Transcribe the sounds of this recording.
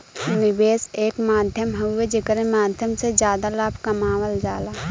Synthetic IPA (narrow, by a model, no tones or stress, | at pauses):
nɪbeːseːkmaːd̪ʱjəmɦued͡ʒekəɾẽmaːd̪ʱjəmsed͡ʒjaːd̪alaːbʱkɐmaːʋəld͡ʒaːlaː